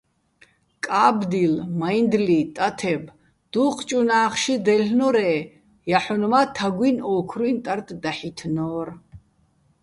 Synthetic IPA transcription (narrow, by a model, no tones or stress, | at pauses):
kʼaːbd̪ilmajnd̪lit̪ʼat̪ʰɛb | d̪̥uːqʰt͡ʃʼunaːχʃid̪ɛlnɔɾɛː | jaħɔnmat̪ʰaɡwinɔːkʰɾwint̪ʼaɾt̪d̪aħit̪ʰnɔːɾ